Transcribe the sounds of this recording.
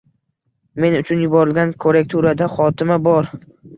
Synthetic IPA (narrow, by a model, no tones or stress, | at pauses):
me̞nʊt͡ʃʰʊnjʊbɒɾɪlɡʲankʰoɾek̚t̪ʰuɾad̪aχɒt̪ʰɪmabɒɾ